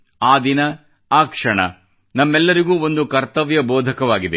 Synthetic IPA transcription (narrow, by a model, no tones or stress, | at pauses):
aːd̪inɐ | aːkʂɐɳɐ̰ | nɐmːɛlːɐɾiɡuːo̞nd̪ukɐɾt̪ɐʋjɐbɔːd̪ʱɐkɐʋaːɡid̪e